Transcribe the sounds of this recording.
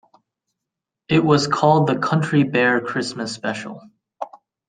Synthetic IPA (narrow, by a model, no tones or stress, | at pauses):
ɪʔ̚wʌz̥kʰɔlˠd̪̚ðɨkʰʌ̃nt͡ʃɹ̥ibɛɹkʰɹ̥ɪsmɨspɛʃl̩ˠ